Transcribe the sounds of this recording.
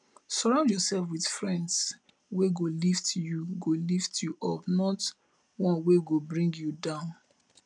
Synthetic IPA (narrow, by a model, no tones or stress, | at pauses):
sɔɹãʊ̃ndjɔsɛlfwið̥fɹɛ̃nds | weɡoliftjuɡoliftjuʔɔpnɔt | wɔ̃nweɡobɹĩŋɡjudãʊ̃n